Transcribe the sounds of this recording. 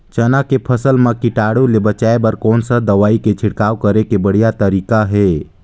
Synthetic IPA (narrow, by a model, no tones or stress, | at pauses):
t͡ʃənakepʰəsəlmãkɪʈaːɽulebət͡ʃaːebɐɾkɔːnsad̪ɐʋaːiket͡ʃʰɪɽkaːwkəɾekebəɽ̤ijat̪əɾiːkaɦɛː